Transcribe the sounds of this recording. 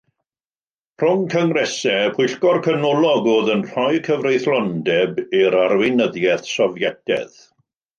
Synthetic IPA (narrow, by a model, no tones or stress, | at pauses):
pʰr̥ʊŋkʰəŋrɛsɛpʰʊjɬɡɔrkʰənɔlˠɔɡʊːðənr̥ɔjkʰəvrejθlˠɔndɛbiɾarwɪnəðjɛθsɔvjɛdɛ̰ð̥